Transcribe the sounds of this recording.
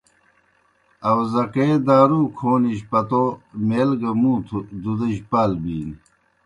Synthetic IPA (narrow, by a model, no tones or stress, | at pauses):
ɐwzɐkeːd̪aːɾuːkʰoːniɕpɐt̪omeːlɡɐmut̪ʰd̪ud̪ɐɕpaːlbiːn